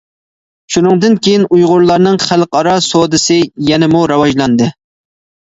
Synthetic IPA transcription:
ʃunɨŋd̪ɨnkʲʰejinujʁʊɾlˠɑɾnɨŋχælˠqɑɾɑsod̪ɨsɨjɛnɪmuɾɑwɑʒlˠɑnd̪ɨ

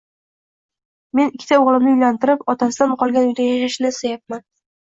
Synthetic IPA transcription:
me̞nɪkʲʰːɪ̥t̪aoʁlˠɪmnɪʊjlant̪ɪɾɪpɒt̪ʰasɪd̪amqʰɒlˠɡʲanujd̪ajaʃaʃɪnɪsajap̚man

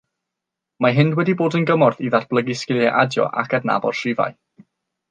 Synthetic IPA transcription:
maɦɪndwɛdiboːdənɡəmɔrðiðatb̥lˠəɡiskɪlˠɛʔadjɔ̰ʔa̰kʰadna̰bɔ̰d̥sɪva̰j

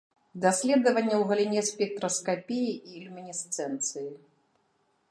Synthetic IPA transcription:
d̪asʲlʲɛd̪ɐvɐnʲːɐwɣɐlʲinʲɛsʲpʲɛk̚t̪ɾɐskapʲijiiːlʲumʲinʲist̪sɛnt̪sɨji

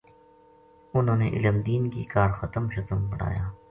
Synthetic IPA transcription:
ʊnɦõːneʔɪ̰ləmd̪iːnkikaːɾxɐt̪əmʃɐt̪əmbɐɽ̤a̰ːjaː

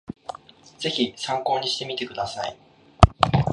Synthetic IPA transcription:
d͡z̥e̞çisãŋko̞ːɲ̟iɕi̥t̪e̞mʲit̪e̞kɯ̟d̪asaḭ

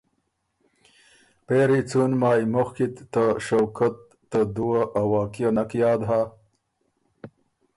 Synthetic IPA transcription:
peɾit͡sunmaːjmoxkit̪ːaʃowkat̪ːad̪uwaʔawaːkijanɐkjɑːd̪ɦa

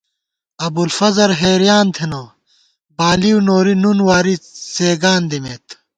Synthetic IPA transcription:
ɐbulfɐzɐɾɦeːɾijaːnt̪ʰenoː | baːliunoːɾinunwaːɾiseːɡaːnd̪imeːt̪

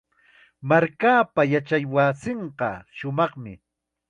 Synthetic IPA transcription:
maɾkaːpajat͡ʃajwaːsɪɴqɑ̰ʃʊmɑχmɪ̰

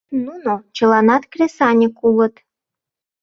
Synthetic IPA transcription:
nunot͡ɕə̆lɑnɑt̪krʲesɑnʲəkulə̆t̪

